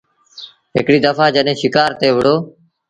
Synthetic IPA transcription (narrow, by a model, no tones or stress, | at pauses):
ɦɪ̰kɽiːd̪əfaːd͡ʒəɗɦẽːʃɪkaːɾt̪eːʋɪɽoː